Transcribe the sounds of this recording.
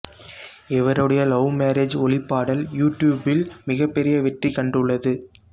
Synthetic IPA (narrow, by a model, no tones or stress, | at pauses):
ɛʋɐɾɯɽɐjɐlɐʊmeːɾed͡ʒɔɭɪpːaːɽɐljuːʈjuːbɪlmɪɣɐpːɛɾɪjɐʋɛʈrikɐɳɖɯɭːɐðɯ